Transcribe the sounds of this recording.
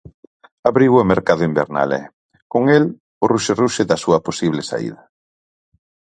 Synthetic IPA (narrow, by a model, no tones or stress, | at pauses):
aβɾiwomeɾkaðʊimbḛɾna̰lɛ̰ | koŋel | ʊruʃeruʃɪðɐsuɐposiβlesa̰ḭðɐ